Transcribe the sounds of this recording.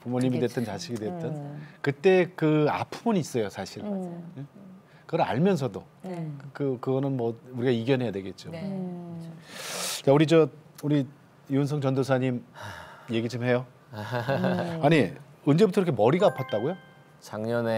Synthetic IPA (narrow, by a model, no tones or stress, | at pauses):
pomoɲimidwet͈ɯnt͡ɕaɕʰiɡidwe̞t͈ʌnkɯt͈e̞kɯa̰pʰɯmuniːs͈ʌjosʰaɕʰiɾe | kɯɡʌɾɯa̰ɭmjʌns̬ʰʌdo | kɯkɯɡʌnɯnmʌuɾiɡaiɡjʌnɦe̞jadwe̞ɡe̞t̚t͡ɕ͈o | t͡ɕauɾid͡ʑʌuɾi | juons̬ʰʌŋt͡ɕʌndosʰaɲim | je̞ɡid͡ʑɯmɦe̞jo | aɲi | ɯnd͡ʑe̞butʰʌkɾʌkʰemʌɾiɡapʰʌt̚t͈aɡojo | t͡ɕaŋɲʌne